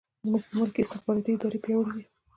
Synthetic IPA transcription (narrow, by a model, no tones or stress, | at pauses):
zmuɡ̚pəmʊlkeɪst̪ɪxbɑɾɑt̪iɪd̪ɑɾepjewɽiwi